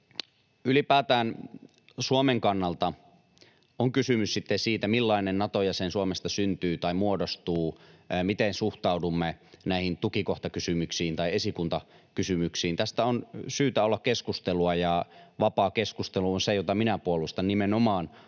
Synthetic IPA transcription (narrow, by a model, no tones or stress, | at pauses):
ylipæːt̪æːn | suomeŋkɑnːɑlt̪ɑ | oŋkysymyssit̪ːensiːt̪æmilːɑinennɑt̪ojɑsensuomest̪ɑsynt̪yːt̪ɑimuodost̪uːmit̪ensuht̪ɑudumːenæihint̪ukikoht̪ɑkysymyksiːnt̪ɑiesikunt̪ɑ | kysymyksiːnt̪æst̪æonsyːt̪æolːɑkkeskust̪eluɑjɑʋɑpɑːkeskust̪eluonsejot̪ɑminæpuolˑust̪ɑnnimenomɑːn